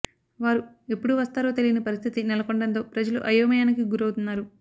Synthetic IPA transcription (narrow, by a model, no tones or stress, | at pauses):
ʋaːɾu | e̞pːuɽuʋɐst̪aːɾo̞ːt̪elijinɐpɐɾist̪ʰit̪inɛlɐkoɳɖɐnt̪o̞ːpɾɐd͡ʒɐlṵʔɐjɐʋɐmɐjaːnikiɡuɾɐwut̪unːaːɾu